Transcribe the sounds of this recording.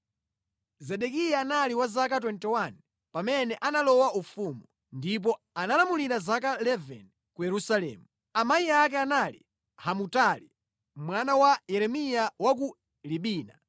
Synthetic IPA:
zɛɗɛkijaːnaliwazak̬at̬wɛntɛwan | pamɛnɛʔanalɔwaufumu | ndip̬ɔ | analamuliɾazakalɛvɛ̰n | kujɛɾusalɛ̰ːmu | amaiak̬ɛanalḭ | hamutali | mwanawajɛɾɛmijawak̬u | liɓiːna̰

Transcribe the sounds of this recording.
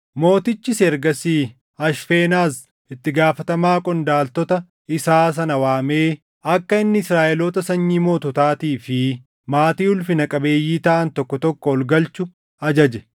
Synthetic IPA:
mo̞ːt̪ɪt͡ʃːɪsɛɾɡɐsiː | ɐʃfeːnaːs | ɪt̪ːɪɡaːfɐt̪ɐmaːkʼɔnd̪aːlt̪ɔt̪ɐ | ɪsaːs̬ɐnɐwaːme̞ː | ɐkːɐɪnːɪɪsɾaːʔɛloːt̪ɐsɐɲːiːmo̞ːt̪ɔt̪aːt̪iːfɪ | maːt̪iːʊlfɪnɐkʼɐbe̞ːjːiːt̪ɐʔɐnt̪ɔkːɔt̪ɔkːɔɔlɡɐlt͡ʃʊ | ɐd͡ʒɐd͡ʒɛ

